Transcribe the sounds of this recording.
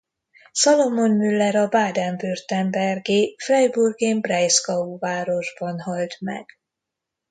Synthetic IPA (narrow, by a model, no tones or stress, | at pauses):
sɒlo̞monmylːɛɾɒbaːd̪ɛmbørt̪ɛmbɛrɡeːfrɛjburɡeːmbrɛjskɒuvaːɾo̞ʒbɒnɦɒlt̪mɛ̰ɡ̥